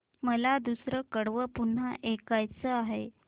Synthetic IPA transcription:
məlad̪usɾəkəɽʋəpun̤ːaʔekajt͡səaɦe

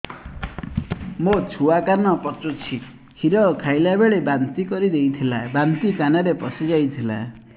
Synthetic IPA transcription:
mot͡ʃʰuakanɔpɔt͡ʃut͡ʃʰi | hʰiɾɔkʰajlabeɭebant̪ikɔɾid̪ejt̪ʰilabant̪ikanaɾepɔsid͡ʒajt̪ʰila̰

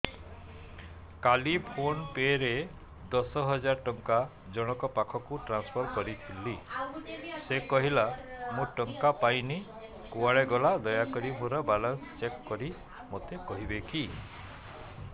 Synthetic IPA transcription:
kalipʰonpeɾe | d̪ɔsɔɦɔd͡ʒaɾɔʈɔŋka | d͡ʒɔɽ̃ɔkɔpakʰɔkuʈɾanspʰɔɾkɔɾit̪ʰilːi | sekɔɦilamũʈɔŋkapajni | kuaɭeɡɔlad̪ɔjakɔɾimuɾɔbalɔnst͡ʃekːɔɾi | mot̪ekɔɦibeki

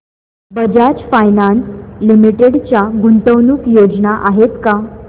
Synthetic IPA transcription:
bəd͡ʑat͡ɕfajnanslimiʈeɽt͡ɕjaɡuɳʈəwnuːkjod͡ʑnaʔaɦet̪ka

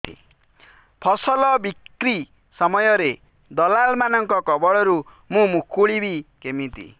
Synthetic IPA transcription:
ḭ | pʰʌsʌlʌbikri | sʌmʌjʌɾe | d̪ʌlalmanʌŋkʌkʌbʌɽʌɾu | mũmukʰːuɽibikemit̪ḭ

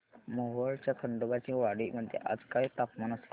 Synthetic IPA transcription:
moɦəɭt͡ɕjakʰəɳɖ̪obat͡ɕiːʋaɽiːməd̪ʱjḛʔa̰d͡zkait̪apmanəsl

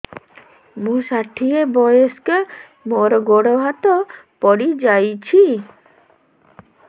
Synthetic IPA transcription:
mũsaʈʰiebɔjeske | moɾɔɡoɽɔɦat̪ɔpɔɽid͡ʒajt͡ʃʰi

